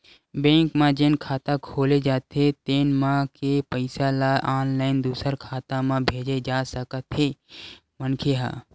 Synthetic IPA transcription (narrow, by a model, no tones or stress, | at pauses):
bẽːkmãd͡ʒeːnkʰaːt̪akʰoːled͡ʒaːt̪ɦet̪eːnmãkepəɪsalaʔaːnlaːɪnd̪uːsəɾkʰaːt̪ãmãbʱeːd͡ʒed͡ʒaːsəkət̪ɦe | mənkʰeɦa̰ː